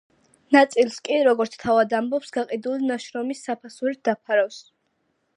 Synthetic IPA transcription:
nat̪sʼilˠskʼiɾɔɡɔɾt̪sʰt̪ʰavad̪ambɔpsɡaqʼid̪ulinaʃɾɔmisːapʰasuɾid̪̥apʰaɾaws

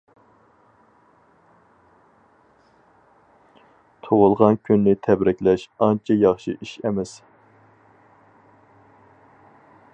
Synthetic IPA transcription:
t̪ʰowʊlˠʁɑnkʲʰynːɪt̪ʰɛbɾɛkʲlɛʃɑnt͡ʃʰɛjɑχʃḭʔiʃɛmɛs

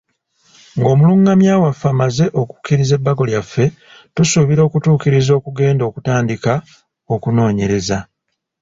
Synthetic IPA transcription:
ŋɡo̞ːmuluŋɡamjaːwafamaze̞ʔo̞ku̥kːiɾize̞bːaɡo̞ljafːe̞ | tusuβiɾo̞ːkutuːkiɾizo̞ːkuɡe̞ːndo̞ːkutaːndika | okuno̞ːɲe̞ɾe̞za

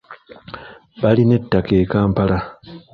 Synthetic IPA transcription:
βaline̞tːake̞ːkaːmpala

